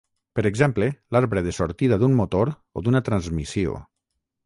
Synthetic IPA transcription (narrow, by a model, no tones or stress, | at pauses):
pəɾeɡzɛmplelaɾβɾeðesoɾt̪iðaðummot̪oɾ | o̰d̪unat̪ɾanzmisio̰